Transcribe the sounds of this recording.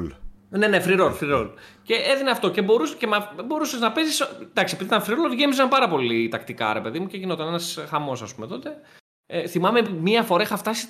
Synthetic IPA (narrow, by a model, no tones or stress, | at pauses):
lne̞ne̞fɾiɾolfɾiɾolce̞ʔeðineɐft̪o̞ce̞bo̞ɾuscemɐbo̞ɾuseznɐpezisnd̪ɐksie̞piðit̪ɐnfɾiɾoloʝe̞mizs̬ɐmpɐɾɐpo̞lit̪ɐkt̪ikɐ̰ɾepe̞ðimuceʝino̞t̪ɐnenɐsxɐmo̞sɐspume̞t̪o̞t̪e̞ | θimɐmemiɐfo̞ɾɐexɐft̪ɐsi̥